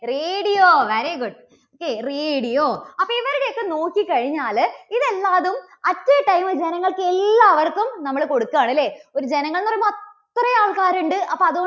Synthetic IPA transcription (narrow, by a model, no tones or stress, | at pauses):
reːɽijoːʋeɾiɡuɖ | oːkːereːɽijoːɐpːoːiʋɐɾuɽejokːeno̞ːkːikɐɻiɲːaːliðelːaːðum | ɐtːɐʈɐjmɨd͡ʑenɐŋːɐɭkɨelːaːʋɐrkːumnɐmːɐɭko̞ɽukːaːɳilːe̞ːoɾud͡ʑenɐŋːɐɭnɐrɐjɐt̪ːrɐjaːɭkaːɾuɳɖɨʔɐpːɐɐðuo